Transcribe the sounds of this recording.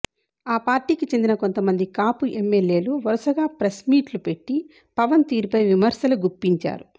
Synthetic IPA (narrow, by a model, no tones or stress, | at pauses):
aːpaːɾʈiːkit͡ʃe̞nd̪inɐko̞nt̪ɐmɐnd̪ikaːpuʔemːelje̞ːluʋɐɾusɐɡaːpɾɐsmiːʈlupe̞ʈːi | pɐʋɐnt̪iːɾupɐjʋimɐɾʃɐluɡupːiɲt͡ʃa̰ːɾu